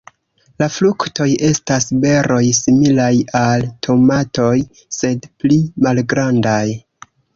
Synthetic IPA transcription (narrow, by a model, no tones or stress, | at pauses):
laflukto̞je̞stasbe̞ɾo̞jsimilajaltʰo̞mato̞j | se̞dplimalɡɾandaj